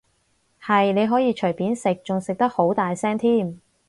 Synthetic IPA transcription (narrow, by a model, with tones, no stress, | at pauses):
hɐ˨jne˨˧jɦɔː˨˥jiː˧t͡ʃʰɵ˨˩jpiː˨˥nsɪ˨k̚t͡sʊ˨ŋsɪ˨k̚t̪ɐ˥k̚ho˨˥wt̪aː˨jsɛː˥ŋt̪ʰiː˥˩m